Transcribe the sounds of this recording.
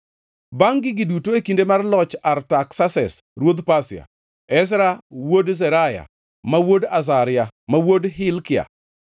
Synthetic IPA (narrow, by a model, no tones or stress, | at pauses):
baŋɡɪɡɪdutoekindemarlɔt͡ʃartaksasɛ̰s | ɾwod̪pasɪa̰ | ɛsɾawodzɛɾaja̰ | mawodas̬aɾɪjamawodɦɪlkɪa̰